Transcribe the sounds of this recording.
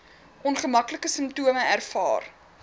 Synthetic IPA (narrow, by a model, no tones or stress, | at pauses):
ʔɔnχəmɐkləkəsəmtuəməærfɑ̰ːr